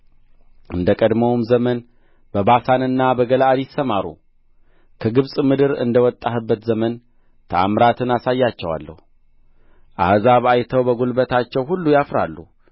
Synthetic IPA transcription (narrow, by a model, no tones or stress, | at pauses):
ʔɨnd̪əkʼəd̪məwmzəmən | bəbasanɨnːabəɡəlaad̪jɪsːəmaɾṵ | kʰəɡɨβsʼmɨd̪ɨɾɨ̰nd̪əwɔt̪ʼːahɨbːət̪zəmən | t̪ʰəa̰mɾat̪ʰɨnasajːat͡ʃːɛwa̰lːə̰hu | ʔa̰hzaβajt̪ʰəwbəɡulbət̪ʰat͡ʃːɛwhulːujafɾa̰lːṵ